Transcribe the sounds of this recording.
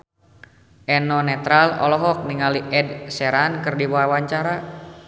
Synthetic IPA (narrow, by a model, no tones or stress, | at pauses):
ɛnɔnɛt̪ɾalɔ̰lɔɦɔk̚niŋaliʔɛdsɛɾankɨrdibawaɲt͡ʃaɾa